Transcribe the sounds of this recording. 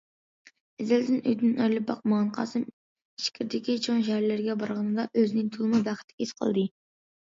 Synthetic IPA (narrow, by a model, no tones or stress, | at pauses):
ɛzɪld̪ɪnʔø̰jd̪ɪnɑjlˠɨp̚bɑqmɑʁɑnqʰɑ̰sɨm | iʃkʲʰiɾd̪ɪkʲit͡ʃʰoŋʃ̬æhæɾlɪɾɡʲɛbɑɾʁɑnɨd̪ɑʔøzɪnɪŋt̪ʰulˠɨmub̪æχɪt̪ʰːɪ̥kʲʰisqʰə̰lˠd̪ɨ